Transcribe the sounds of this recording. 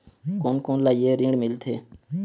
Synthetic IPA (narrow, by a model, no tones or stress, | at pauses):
koːnkoːnlaːieːɾĩːɽmɪlt̪ʰeː